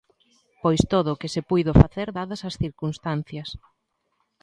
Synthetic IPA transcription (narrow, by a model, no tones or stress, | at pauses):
pojst̪oðʊkɪsɪpujðʊfaθeɾðaðɐsɐsθiɾkunst̪an̟θjɐs